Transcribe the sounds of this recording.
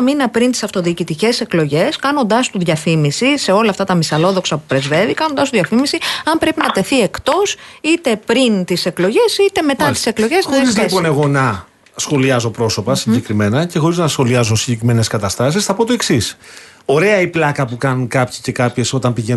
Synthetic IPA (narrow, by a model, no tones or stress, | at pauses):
minɐpɾint̪i̥sɐft̪o̞ðiːcit̪ice̞se̞klo̞ʝe̞skɐno̞nd̪ɐst̪uðʝɐfimisise̞o̞lɐft̪ɐt̪ɐmisɐlo̞ðo̞ksɐpupɾe̞zve̞vikɐnond̪ɐst̪uðʝɐfimisiɐmpɾe̞pinɐt̪e̞θiekt̪o̞sit̪e̞pɾint̪ise̞klo̞ʝe̞sit̪e̞me̞t̪ɐt̪i̥seklo̞ʝezɐizlipo̞neɣo̞nɐ | sxo̞liɐzo̞pɾo̞so̞pɐsiɲɟe̞kɾime̞nɐce̞xo̞ɾiznɐsxo̞liɐzo̞siɲɟe̞kɾime̞ne̞skɐt̪ɐst̪ɐs̬isθɐpo̞t̪o̞e̞ksis | o̞ɾe̞ɐiplɐkɐpukɐnunkɐpçi̥ce̞kɐpçe̞so̞t̪ɐmpiʝe